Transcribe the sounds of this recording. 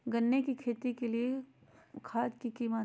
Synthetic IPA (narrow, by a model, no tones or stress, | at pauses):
ɡənːekikʰeːt̪ikelie | kʰaːd͡ʒkikiːma